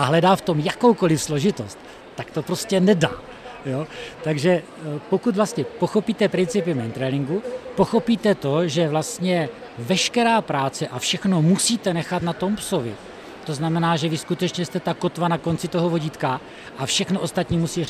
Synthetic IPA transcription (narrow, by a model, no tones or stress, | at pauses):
ʔaɦlɛdaːft̪o̞mjakowko̞lɪfslo̞ʒɪt̪o̞st̪ː | akt̪o̞pɾo̞scɛnɛda̰ː | jot̪aɡʒɛ | po̞kut̪vlast̪ɲɛpo̞xo̞piːt̪ɛpɾɪnt͡sɪpɪmɛnt̪ɾɛlɪŋɡupo̞xo̞piːt̪ɛt̪o̞ʒɛvlast̪ɲɛ | vɛʃkɛɾaːpɾaːt͡sɛʔafʃɛxno̞musiːt̪ɛnɛxat̪nat̪o̞mpso̞vɪ̰ | t̪o̞znamɛnaːʒɛvɪskut̪ɛt͡ʃɲɛst̪ɛt̪akot̪vanako̞nt͡sɪt̪o̞ɦovo̞ɟiːt̪ka | ʔafʃɛxnoʔo̞st̪at̪ɲiːmusiː